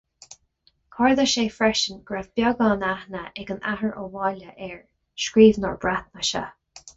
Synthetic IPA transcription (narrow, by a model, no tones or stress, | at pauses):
kʰɔɹðəʃeːfɹɛʃənɡ̥ɹavb̥jɔɡɑːnahnəɛɡənaɦəɹʔəwɑːləʔɛɹ | ʃkɹiːvnɔ̰ɹb̥ɹat̪̚nəʃə̰